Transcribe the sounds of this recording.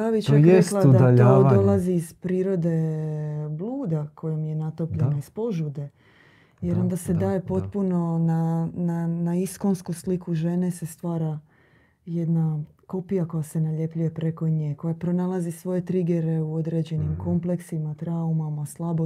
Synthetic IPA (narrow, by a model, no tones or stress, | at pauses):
aʋit͡ʃaɾesklˠad̪ad̪aod̪o̞lˠaziːz̥pɾiːɾo̞d̪e̞ | blˠuːd̪akʰo̞jomije̞nat̪o̞pʎe̞naispo̞ʒud̪e̞ | je̞ɾo̞nd̪ase̞d̪aːje̞po̞t̪puno̞nananaisko̞nskuslikuʒe̞nese̞st̪ʋaːɾa | je̞d̪nako̞pijako̞jase̞naʎe̞pʎuje̞pɾeko̞ɲeko̞japɾo̞nalˠazisʋo̞je̞t̪ɾiɡe̞ɾe̞uo̞d̪ɾe̞d͡ʑe̞nimko̞mple̞ksimat̪ɾaumamaslˠabo